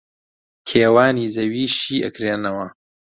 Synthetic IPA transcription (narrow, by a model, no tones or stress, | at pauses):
kʰeːwaːniːzɐwiːʃiːʔɐ̰kɾeːnɐwɐ